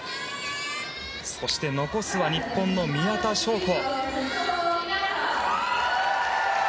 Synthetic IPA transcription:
so̞ɕi̥t̪e̞no̞ko̞sɨβaɲ̟ipːõ̞nːo̞mʲijat̪aɕo̞ːt̪o̞ː

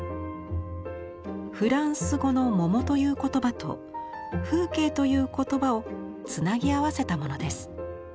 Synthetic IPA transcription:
ɸɯ̟ɾãɰ̃sɨɡo̞no̞mo̞mo̞t̪o̞jɯ̟ːko̞t̪o̞bat̪o̞̰ | ɸɯ̟ːke̞ːt̪o̞jɯ̟ːko̞t̪o̞bao̞ | t͡sɨnaɡʲiaβase̞t̪amo̞no̞d̪e̞sɨ̥

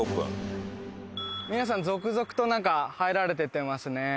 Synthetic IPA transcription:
opɯ̰̃ɴ | mʲinas̬ãnd͡zo̞kɯ̟zo̞kɯ̟̥t̪o̞nãŋkahaiɾaɾe̞t̪̬et̪ːemasɨne̞

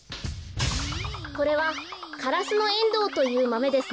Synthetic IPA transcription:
ko̞ɾe̞β̞akaɾasɨno̞ẽ̞nd̪o̞ːt̪o̞jɯ̟ːmame̞d̪e̞sɨ

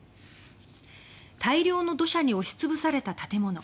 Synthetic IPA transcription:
t̪ʰaiɾʲo̞ːno̞d̪o̞ɕaɲ̟io̞ɕi̥t͡sɨbɯ̟saɾe̞t̪at̪at̪e̞mo̞no̞

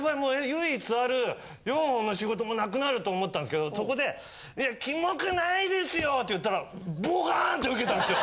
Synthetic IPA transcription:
βaimoːejɯit͡sɨaɾɯ̟ | joːɦõnːo̞ɕiɡo̞t̪o̞mo̞nakɯ̟naɾɯ̟t̪oːmot̪ːand̪ske̞d̪o̞so̞ko̞d̪e̞ | ijakʲimokanaid̪e̞sɨjo̞t̪ːe̞jɯ̟t̪ːaɾaboɡant̪ːe̞ɯ̟ke̞t̪ãnd̪sɨjo

